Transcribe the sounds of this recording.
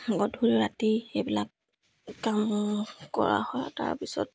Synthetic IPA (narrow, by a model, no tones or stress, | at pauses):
ɡɔdʱuɹiɹatiebilak̚ | kamkɔ̰ɹa̰hɔjta̰ɹpisɔ̰t̚